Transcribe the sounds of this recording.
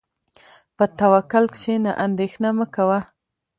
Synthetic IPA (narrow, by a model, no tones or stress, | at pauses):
pət̪awakʊlkʃena̰ʔand̪exnaməkawa